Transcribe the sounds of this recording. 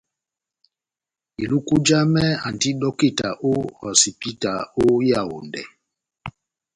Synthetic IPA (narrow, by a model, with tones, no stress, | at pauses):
i˨lu˦ku˦d͡ʒa˦mɛ˦a˨n˨ti˦ɗɔ˦ki˦˨ta˨ʔo˦ɔ˨si˨pi˦ta˨o˦ja˦˨o̰˨ndɛ̰˨